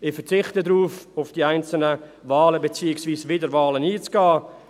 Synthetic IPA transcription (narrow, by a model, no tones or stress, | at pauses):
ɪfət͡sɪχtədɾuːfʊfd̥iaɪnt͡sl̩nəvɑːləbet͡siːɪksviːsvɪdəɾvɑːləniːt͡sɡ̥aː